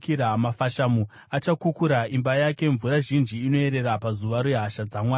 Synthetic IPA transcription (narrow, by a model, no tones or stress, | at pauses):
kiɾamafaʃamu | at͡ʃakukuɾaimbajake̞ɱvuɾaʒind͡ʒiːno̞e̞ɾe̞ɾapazuʋaɾoeɦaʃad͡zamwaː